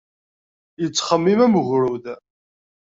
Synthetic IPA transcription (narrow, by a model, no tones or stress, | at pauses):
jət͡sːχəmːimæməɣɾuð